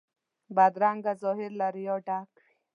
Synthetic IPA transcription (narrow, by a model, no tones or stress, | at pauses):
bad̪ɾaŋɡazɔɦiɾlaɾijɔʈaːk | i